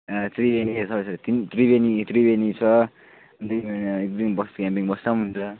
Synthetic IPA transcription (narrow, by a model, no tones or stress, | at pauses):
t̪ribenisʰʌɾsʌɾt̪int̪ribenit̪ribenit͡sʰʌ | ʌnd̪inmenʌekd̪imbʌkskampiŋbʌstam̃ɦunt͡sʰʌ